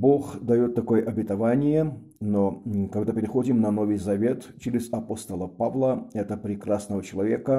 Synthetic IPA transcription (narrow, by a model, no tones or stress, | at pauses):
boxd̪ɐjot̪ːɐkojəʔɐbʲɪt̪ɐvanʲɪjə | nokɐɡd̪apʲɪɾʲɪxo̞dʲɪmnɐnovɨjzɐvʲe̞t̪t͡ɕɪɾʲɪzɐpost̪əlˠəpavlˠəɛt̪əpɾʲɪkrasnəvət͡ɕɪlˠɐvʲekə